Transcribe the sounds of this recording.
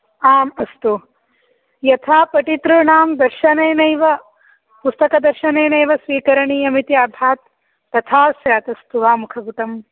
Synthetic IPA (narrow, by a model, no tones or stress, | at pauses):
aːmɐst̪u | jɐt̪ʰaːpɐʈit̪ɾuɳaːmd̪ɐɾʃɐnejnɐjʋɐ | pust̪ɐkɐd̪ɐɾʃɐneːnɐjʋɐsʋiːkɐɾɐɳiːɐmit̪jaːbʱaːt̪ː | ɐt̪ʰaːsjaːt̪ɐst̪uʋaːmukʰɐbut̪ɐm